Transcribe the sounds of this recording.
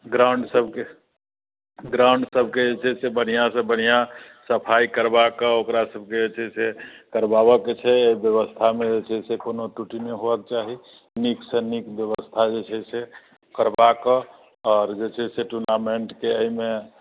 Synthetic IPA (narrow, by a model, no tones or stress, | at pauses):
ɡɾaʊɳɖsəbke | ɡɾaʊɳɖsəbʱked͡ʒet͡ʃʰɛsebən̤ijasə̃bənija | səpʰaikəɾbakəokɾasəbʱked͡ʒet͡ʃʰɛsekəɾbabəket͡ʃʰɛeibjəβəst̪ʰamẽd͡ʒet͡ʃʰɛsekonoʈuʈineɦobəket͡ʃaɦi | niksə̃nikbjəβəst̪ʰad͡ʒet͡ʃʰɛse | kəɾbakə | ɔːɾd͡ʒet͡ʃʰɛseʈuɾnameɳʈkeəɦime